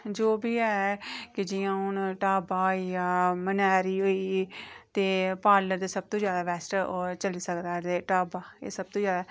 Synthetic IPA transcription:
d͡ʒoːbiːɛːkɪd͡ʒɪjãːɦʊnʈaːbaːoijaːmənɛːɾiːɦoːiːt̪eːpaːləɾd̪eːsəb̚t̪õːd͡ʒjaːd̪aːʋɛːsʈəot͡ʃəliːsəkd̪aːd̪eːʈaːbaːḛːsəb̚t̪õːd͡ʒjaːd̪aː

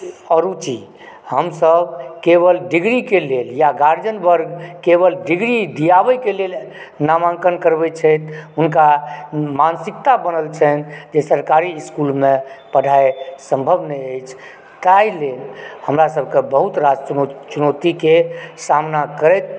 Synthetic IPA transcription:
ɔɾut͡ʃi | həmsəbkeβəlɖiɡɾikeleljaɡaɾd͡ʒənbəɾɡkeβəlɖiɡɾid̪ijabəkelel | namãŋkənkəɾbɛt͡ʃʰəjt̪ʰɦunkamansik̚t̪abənəlt͡ʃʰənd͡ʒesəɾkaɾiːskulmẽpəɖʱaesəmbʱəbnəəjt͡ʃʰ | t̪ailelhəmɾasəb̚kebəɦut̪ɾad͡ʒt͡ʃunot̪ikesamnakəɾət̪̚

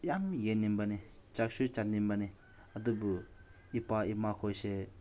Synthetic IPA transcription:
jamjenːimbanit͡ʃak̚sut͡ʃanːimbani | ad̪ubu | ipaimakʰojse

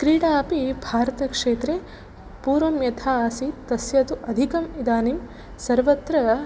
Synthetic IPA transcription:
kɾiːɽaːpibʱaːɾɐt̪ɐkʂeːt̪ɾe | puːɾʋɐmjɐt̪ʰaːsit̪ɐsjɐt̪uʔɐd̪ʱikɐmid̪aːnim | sɐɾʋɐt̪ɾɐ

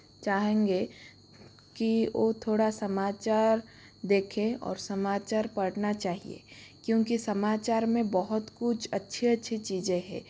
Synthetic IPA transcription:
t͡ʃaːɦẽːŋɡe | kiʋoːt̪ʰoːɽasɐmaːt͡ʃaːɾ | d̪eːkʰẽɔ̰ːɾsɐmaːt͡ʃaːɾpɐɽnat͡ʃaːɦḭḛːkjõːkisɐmaːt͡ʃaːɾmẽbɔɦʊt̪kʊt͡ʃʰɐtːʃʰiɐtːʃʰit͡ʃiːd͡ʒẽɦɛ̰ː

